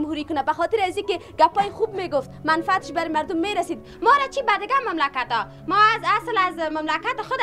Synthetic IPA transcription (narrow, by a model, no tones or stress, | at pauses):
mhuɾikʊnabaxɔt̪ɪɾazikɪɡapɔjɪxubmeɡʊft̪manfɪat̪ɪʃbaɾɪmaɾd̪ʊmːeɾasid̪ | mɔɾat͡ʃʰibad̪ɪɡamamlakat̪ɔ | mɔazaslazmamlakat̪ɪxʊd̪